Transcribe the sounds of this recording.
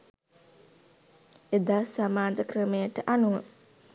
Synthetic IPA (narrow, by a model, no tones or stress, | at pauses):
ed̪asamaːd͡ʒəkrəmejəʈəʔanuʋə